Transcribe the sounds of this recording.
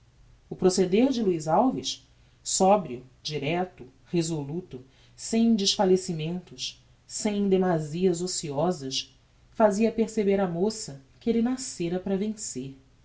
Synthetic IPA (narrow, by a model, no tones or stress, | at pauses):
ʊpɾosed̪eɾd͡ʒɪluizawviʃ | sɔbɾiʊd͡ʒiɾɛt̪ʊ | hezolut̪ʊ | sẽj̃d͡ʒɪʃfalesimẽnt̪ʊʃ | sẽj̃d̪emaziɐzosiɔzɐʃ | faziɐpeɾsebeɾɐmosɐkelinaseɾɐpɾɐvẽseɾ